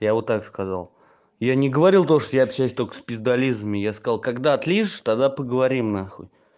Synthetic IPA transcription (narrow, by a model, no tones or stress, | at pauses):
javot̪ːakskɐza̰lˠ | janʲɪɡəvɐɾʲilˠt̪oʂt̪ojaːpɕæsʲt̪okə̥spʲɪzd̪ɐlʲizmʲɪjaskɐzɑlˠkɐɡd̪aɐt̪lʲiʐɨʂt̪ad̪apəɡəvɐɾʲimnaxo̰j